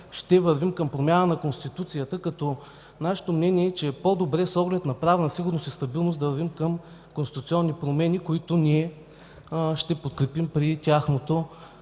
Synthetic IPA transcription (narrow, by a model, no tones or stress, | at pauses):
ʃt̪ɛvɐɾvimkəmpɾomʲjanənɐkonst̪it̪ut̪sijət̪əkɐt̪ɔ | naʃɛ̥t̪omnɛniɛːt͡ʃɛpod̪obɾɛsɔɡlɛt̪nɐpɾavɛnɐsiɡʊɾnost̪ist̪ɐbilˠnosd̪ɐvəɾvimkəm | konst̪i̥t̪ut̪siɔnːipɾomɛnikoit̪ʊniɛ | ʃt̪ɛpot̪̚kɾɛpimpɾit̪ʲaxnot̪o